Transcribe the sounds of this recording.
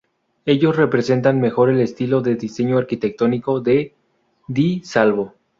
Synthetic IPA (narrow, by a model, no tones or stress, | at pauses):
e̞ʝo̞sre̞pɾe̞se̞nt̪anme̞xo̞ɾe̞le̞st̪ilo̞ðe̞ðise̞ɲo̞aɾkit̪e̞k̚t̪o̞niko̞ðe̞ | d̪isalβo̞